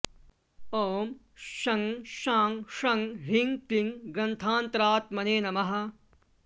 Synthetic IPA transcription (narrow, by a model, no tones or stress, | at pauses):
oːm | ʃɐŋʃaːŋʃɐŋɦiŋpiŋɡɾɐ̃nt̪ʰaːnt̪ɾaːt̪mɐneːnɐmɐɦɐ̆